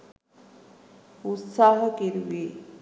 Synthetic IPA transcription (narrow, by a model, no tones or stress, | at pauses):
ut̪saːɦəkeɾuʋe